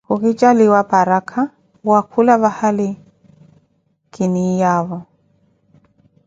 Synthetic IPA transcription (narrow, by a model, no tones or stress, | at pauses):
kʊkɪt͡ʃʼaliwapʼaɾakʰa | wakʰulaβahalɪ | kʼɪnijaːβɔ